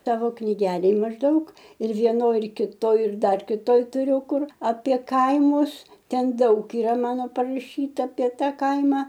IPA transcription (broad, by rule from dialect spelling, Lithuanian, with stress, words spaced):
ˈtɑːʋoː knʲiːˈɡʲæːlʲeːj mɐʒˈdɐʊk ɪr ʋʲiɛˈnoːj ɪr kʲɪˈtoːj ɪr ˈdɐr kʲɪˈtoːj tʊˈrʲʊ ˈkʊr ɐpʲiɛ ˈkɐɪmʊs ˈtʲɛn ˈdɐʊk iːˈrɐ ˈmɑːnoː pɐrɐˈʃʲiːtɐ ɐpʲiɛ ˈtɐ ˈkɐɪmɐ